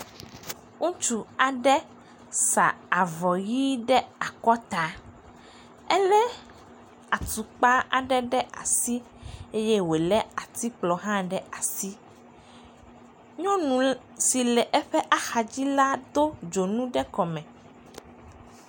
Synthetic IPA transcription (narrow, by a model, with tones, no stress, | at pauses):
ŋu˦t͡ʃu˨a˨ɖɛ˦ | sa̰˨a˨vɔ˨ji˦ɖɛ˦a˨kɔ˦t̪a˨ | ɛ˦lɛ˦ | a˨t̪u˨k͡pa˦a˨ɖɛ˦ɖɛ˦ʔa̰˨si˦ | e˦je˦we˨lɛ˦a˨t̪i˦k͡plɔ˨ɦã˦ɖɛ˦a˨si˦ | ɲɔ̃˦nũ˨ | si˨lɛ˨ʔɛ˦ɸɛ˦ʔa˦xa˨d͡ʑi˦la˦d̪o˦d͡ʒo˨nũ˦ɖɛ˦kɔ˨mɛ̃˨